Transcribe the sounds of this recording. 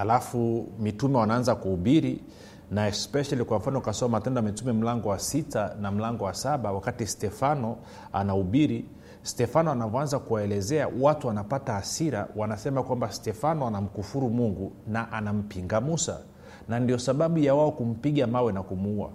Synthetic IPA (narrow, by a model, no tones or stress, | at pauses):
halafumitumɛwanaanzakuuɓiɾi | naɛspɛʃalikwam̩fanɔukasɔmatɛndɔamɛtumɛm̩laŋɡɔwasitanam̩laŋɡɔwasaɓawakatistɛfanɔ | anauɓiɾi | stɛfanɔanavɔanzakuwaɛlɛzɛa̰watuwanapataːsiɾa̰wanasɛmakwambastɛfanɔanam̩kufuɾumuŋɡunaʔanam̩piŋɡamusa̰ | nandiɔsaɓaɓujawaɔkum̩piɠamawɛnakumuua̰